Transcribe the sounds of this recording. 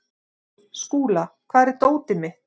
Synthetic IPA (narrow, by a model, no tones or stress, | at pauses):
skuːlakʰvaːɾt̪oːwt̪ɪmɪ